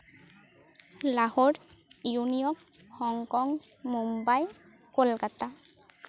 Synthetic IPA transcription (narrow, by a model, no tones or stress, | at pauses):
lahɔɹjunijɔk̚ | hɔŋkɔŋ | mumbaj | kolkata